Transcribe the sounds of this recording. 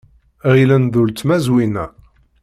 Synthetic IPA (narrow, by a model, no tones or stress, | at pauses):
ʁilænðult͡s̪mæzwinæ